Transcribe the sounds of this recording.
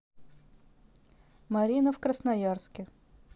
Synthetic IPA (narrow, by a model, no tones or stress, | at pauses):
mɐɾʲinəfkɾəsnɐjarskʲɪ